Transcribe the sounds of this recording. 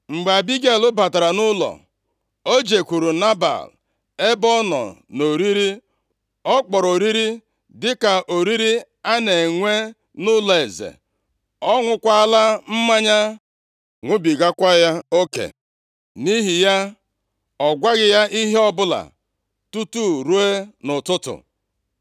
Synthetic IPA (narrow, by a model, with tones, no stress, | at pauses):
ŋ͡m̩˨ɡ͡ba˨bi˦ɡe˨lʊ˦ba˨ta˨ɾa˨nʊ˦lɔ̰˨ | o˦d͡ʒe˨kʷu˨ɾu˨na˦ba̰˨l | e˦bɔ˦nɔ̰˨no˨ɾi˦ɾi˦ | ɔ˦k͡pɔ˨ɾo˨ɾi˦ɾi˦ | dɪ˦ka˨ʔo˨ɾi˦ɾi˦ | a˦ne˨ŋʷe˦ | nʊ˦lɔ˨e˨zḛ˨ | ɔ˦ŋʷʊ˦kʷa˦la˦m̩˦ma˦ɲa˦ | ŋʷʊ˦bi˨ɡa˦kʷa˦ja˦o˦kḛ˨ | ni˦ɦi˨ja˦ | ɔ˨ɡʷa˦ɣɪ˦ja˦ʔi˦ɦe˦ɔ˦bʊ˦la̰˨ | tu˦tu˦˨ɾu˦e˦nʊ˨tʊ˦tʊ̰˨